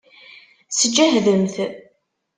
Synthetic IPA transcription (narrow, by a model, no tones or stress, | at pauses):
səd͡ʒːæɦðəmθ